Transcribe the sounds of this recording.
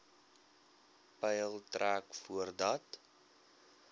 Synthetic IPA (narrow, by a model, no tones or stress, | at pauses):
pɛjəlˠtræːkfuərdɐt